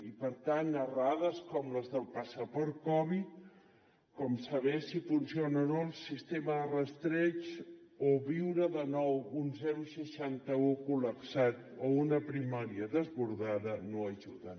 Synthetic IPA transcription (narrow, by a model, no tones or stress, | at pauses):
ipəɾt̪anːəraðəskɔmləzðəlˠpasəpəɾkɔβit̪̚ | kɔmsəβɛsifunsionənolˠsist̪eməðərəst̪ɾɛt͡ʃoβiwɾəðənɔwunzɛɾusəʃant̪əukuləksat̪ounəpɾimaɾiəðəzβuɾðaðənoəʒuðən